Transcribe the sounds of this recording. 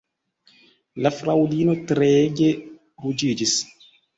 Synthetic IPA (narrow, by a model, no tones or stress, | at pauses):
lafɾawdiːnotɾeɡe | ɾud͡ʒiːd͡ʒis